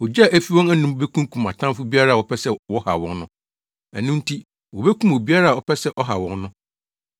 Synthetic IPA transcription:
wɔ˨d͡ʑa˨ʔæ˦fi˦wɔ̃˦næ˦nʊ̃˦be˦kʰũ˦kʰũ˨ma̰˨tʰã˦mfʊ˦bi˦a˦ɾa˦˨wɔ˨pʰɛ˦sɛ˦wɔ˦ha̰˨wɔ̃˦nnʊ̃˦ | æ̰˨nũ˦n˦tʰi˦ | wɔ˨be˦kʰũ˦m˨o˨bi˦a˦ɾa˦˨ɔ˨pʰɛ˦sɛ˦ʔɔ˦ɦa̰˨wɔ̃˦nnʊ̃˦

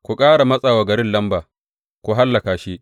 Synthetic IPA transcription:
kʷu˨kʼaː˦ɽa˨mɐ˦sʼaː˨wa˨ɡɐ˨ɾɪ˦nlɐ˦mbaː˨ | kʷu˨ɦa˦lːɐ˨kaː˨ʃi˦ʔ

